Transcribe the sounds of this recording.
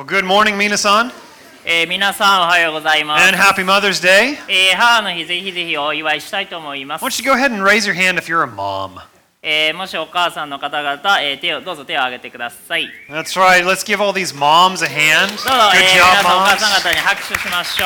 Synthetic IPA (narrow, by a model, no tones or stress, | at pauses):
ɡʊd̚mɔɹnɪ̃ŋminɨsn | eːmʲinasãɰ̃o̞hajo̞ɡo̞zaimasɨ̃nɦæpimʌðə˞zdeɪeːhano̞çize̞çize̞çio̞iβaiɕi̥t̪ait̪o̞ːmo̞imaswõnt͡ʃɨɡoʊəɦɛɾ̃n̩ɹeɪzjə˞ɦæ̃ndɨfjə˞əmɑ̰̃m | eːmo̞ɕio̞kaːsãnːo̞kat̪aɡat̪aeːt̪e̞od̪o̞ːzo̞t̪e̞o̞aɡe̞t̪e̞kɯ̟d̪asaiðætsɹaɪt̚ˡlətsɡ̥ɪvɔlˠðizmɑ̃mzɨɦæ̃nd̥dd̪oːzoɡʊed͡ʒɑokaːsãŋɡat̪aɲiɦakɯ̟̥ɕɨɕimaɕoː